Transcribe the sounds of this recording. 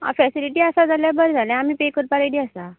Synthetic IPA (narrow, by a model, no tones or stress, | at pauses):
a̰fɛsiliʈiːasad͡zʱaljabəɾd͡zʱaljãam̤iːpekəɾpaɾaɽiːasa